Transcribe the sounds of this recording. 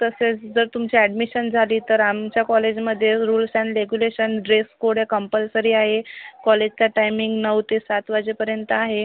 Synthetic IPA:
t̪əset͡sd͡zəɾt̪umt͡ɕiɛɖmiɕənd͡zʱaliːt̪əɾamt͡ɕjakɔled͡ʑməd̪ʱːjeɾuːlsɛ̃ɳɖɾeɡjuleɕənɖɾeskoɽ̤jakəmpəlsəɾiːaɦekɔled͡ʑt͡saʈajmiŋɡnəʋt̪esat̪ʰʋad͡ʑepəɾjənt̪əaɦe

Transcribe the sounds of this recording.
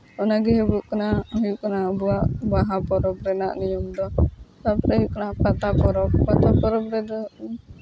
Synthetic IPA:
ɔnaɡiɦəbuʔkənahɔjuʔkənabuaʔbaɦapɔɾɔbɾɛnaʔnijɔmd̪ɔsapɾajuʔkənapat̪apɔɾɔpat̪apɔɾɔbɾɛdɔni

